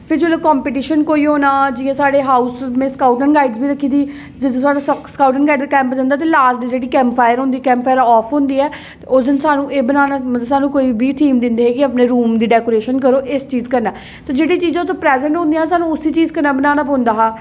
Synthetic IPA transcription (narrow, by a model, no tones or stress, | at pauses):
pʰɪɾd͡ʒoːlakɔːmpeʈ̬iːʃənkoːiːɦoːnaːd͡ʒiːãːsaːɽeːɦaːuːsmẽːskaːʊʈənɡaːɪɖzbiːɾəkʰːiːd̪iː | d͡ʒɪt̪õsaːɽaskaːʊʈənɡaːiɖkɛ̃ːmpəd͡ʒə̃nd̪aːt̪̬eːlaːsʈːd͡ʒeːɽiːkɛ̃ːmppʰaːjəɾɦõːnd̪iːkɛːmppʰaːjəɾaɔːpʰɦʊ̃ːnd̪iːɛː | ʊd̪ənsaːnũːʔeːbənaːnaːməsaːnũːkoːibʱiːt̪ʰiːmd̪ɪ̃nd̪eːɦeːkɪəpneːɾuːmd̪iːɖɛːkoːɾeːʃənkəɾoːʔɪst͡ʃiːzkəɾnɛː | t̪aːd͡ʒeːɽiːt͡ʃiːzãːʊt̪ʰõːpɾɛːzɛ̃ɳʈɦʊ̃nd̪ĩːãasaːnũːʊsiːt͡ʃiːzkəɾnaːbənaːnaːpõːnd̪aːɦaː